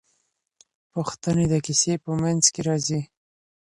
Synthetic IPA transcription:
puxt̪əned̪əkisepəmanzkeɾɑzi

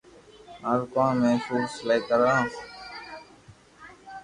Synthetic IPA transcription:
əɾkãːmẽːsuːslaikəɾãː

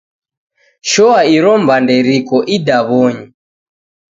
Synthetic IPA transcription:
ʃɔaiɾɔmbandɛɾikɔʔidaβɔɲi

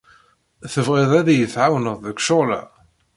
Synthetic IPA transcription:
θəvʁɪðˤæðijəθʕawnəðˤðəkʃolæ̰

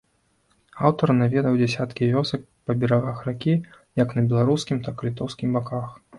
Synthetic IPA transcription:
awt̪ɐɾnavʲɛd̪ɐwd͡zʲasʲat̪kʲivʲɔsɐk̚ | pɐbʲɛɾaɣaxɾakʲi | jɐknɐbʲɛlˠaɾuskʲimt̪aklʲit̪ɔwskʲimbakax

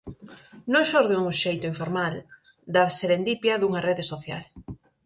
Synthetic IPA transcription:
nõŋʃoɾðeuuʃejt̪ʊiɱfoɾmal | d̪ɐseɾend̪ipjɐðuŋɐreðesoθja̰l

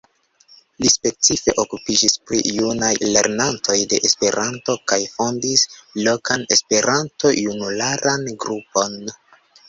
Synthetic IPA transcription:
lispe̞t͡sife̞̰ʔo̞kupid͡ʒispɾḭjunajle̞̰ɾnanto̞jde̞ʔespe̞ɾʔanto̞kajfo̞ndislo̞kane̞spe̞ɾʔanto̞junulaɾanɡɾupo̞n

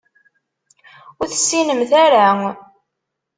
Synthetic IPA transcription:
ʊɾθə̥sːinəmθæɾa

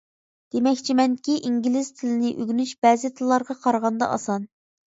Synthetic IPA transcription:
d̪̥emɛkʲt͡ʃʰimɛnkʲiʔiŋɡʲilɪz̥t̪ʰɪlɪnɪʔøɡʲnyʃbɛːzɪt̪ʰɨlˠːɑɾʁɑqʰɑɾʁɑnd̪ɑ̰ʔɑ̰sɑn

